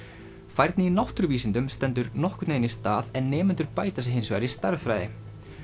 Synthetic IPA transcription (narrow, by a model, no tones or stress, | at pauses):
fajɾt̪nɪinawht̪ʏɾviːsɪnt̪ʏmst̪ɛnt̪̬ʏɾnɔhkʏ̥t̪neːjnist̪aːðɛnːɛːmʏnt̪ʏɾpaːjt̪asɪɦɪnsva̰ɾist̪aɾvfɾajðɪ̰